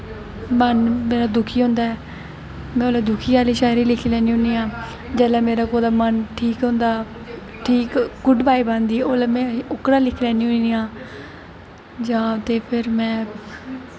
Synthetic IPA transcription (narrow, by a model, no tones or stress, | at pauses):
mənmeːɾaːd̪ʊkʰiːɦõːnd̪aːɛː | mɛ̃ːoːlaːd̪ʊkʰiːaːliːʃaːɾiːlɪkʰiːlɛ̃ːniːɦʊ̃niːãː | d͡ʒɛːlaːmeːɾaːkoːd̪aːmənʈʰiːkɦõːnd̪aː | ʈʰiːkɡʊɖbʱaːiːbãːnd̪iːoːlaːmɛ̃ːʊkɾãːlɪkʰːlɛːniːɦʊniːãː | d͡ʒãːt̪eːpʰɪɾmɛ̃ː